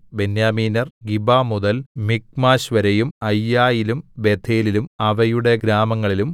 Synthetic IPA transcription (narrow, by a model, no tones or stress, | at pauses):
be̞njaːmiːnɐrɡibaːmuðɐlmik̚maːɕʋɐɾejumɐjːaːjilumbe̞d̪ʰʱeːlilumɐʋɐjuɽe̞ɡɾaːmɐŋːɐɭilum